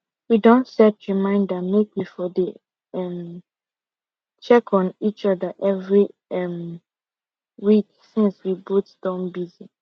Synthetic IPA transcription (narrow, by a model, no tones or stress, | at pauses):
widõntsɛtɹimãɪ̃ndəmek̚mifɔde | ɛ̃m | t͡ʃɛkʰɔ̃nit͡ʃɔdəʔɛvɹiɛm | wik | sĩnswibutd̥ɔ̃nbizi